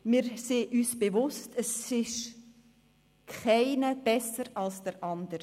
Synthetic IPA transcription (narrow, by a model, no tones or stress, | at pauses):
mɪɾseːʔyːsb̥evʊstəsɪʃ | kχaɪnəb̥ɛsəɾɑlsd̥əɾʔɑnd̪əɾ